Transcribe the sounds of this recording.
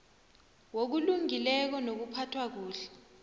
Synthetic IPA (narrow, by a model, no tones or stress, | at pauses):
wok̬uluŋilɛk̬ɔnok̬upʰatʰwak̬uːɬɛ̥